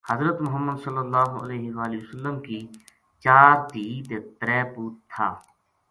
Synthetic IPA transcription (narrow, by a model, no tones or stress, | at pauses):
həzɾət̪mʊɦəmːəd̪səlːəlːaːɦoə̰leːɦɪʋaːliʊsəlːəmkiː | t͡ʃaːɾd̪iːd̪t̪əɾɛːpuːtt̪ʰːaː